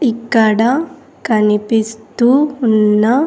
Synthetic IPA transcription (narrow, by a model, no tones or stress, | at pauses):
ikːɐɽɐ | kɐnipist̪unːɐ